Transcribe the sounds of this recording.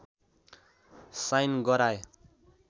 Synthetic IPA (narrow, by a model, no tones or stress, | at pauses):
sajnɡʌɾaje